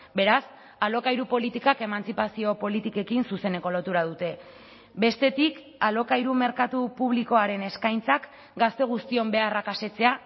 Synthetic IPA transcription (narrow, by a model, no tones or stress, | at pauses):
be̞ɾas | alo̞kajɾupo̞lit̪ikake̞mant͡sipasio̞po̞lit̪ike̞kinsuse̞ne̞ko̞lo̞t̪uɾað̞ut̪e̞ | be̞st̪e̞t̪ik | alo̞kajɾume̞ɾkat̪upuβ̞liko̞aɾe̞ne̞skajnt͡sak | ɡast̪e̞ɣ̞ust̪io̞mbe̞arakase̞t͡se̞a